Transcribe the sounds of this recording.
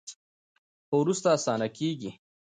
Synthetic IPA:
xowɾust̪aːsɑːnakeːɡi

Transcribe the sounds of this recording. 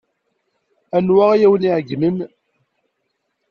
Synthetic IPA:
ænwaʁjæwəniʕɡːnən

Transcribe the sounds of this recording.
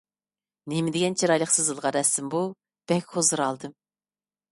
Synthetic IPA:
nemɪd̪ɪɡʲɛnt͡ʃʰiɾɑjlˠəχqsɨzɨlˠʁɑɾɛsɪmbu | b̥ɛkʲhozɨɾɑlˠd̪ɨm

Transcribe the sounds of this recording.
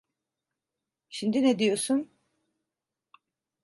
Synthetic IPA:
ʃimd̪inɛd̪ijosun

